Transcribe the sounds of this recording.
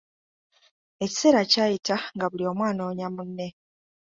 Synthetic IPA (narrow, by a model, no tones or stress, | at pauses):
e̞ci̥se̞ːɾacaːjitaŋɡaβulio̞ːmwaːno̞ːɲamunːe̞